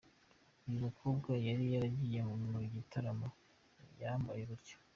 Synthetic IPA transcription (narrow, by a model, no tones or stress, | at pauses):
umukʰobɡajaɾijaɾaɟijemumuɟitʰaɾamo | jambajeɾuɾɟo̥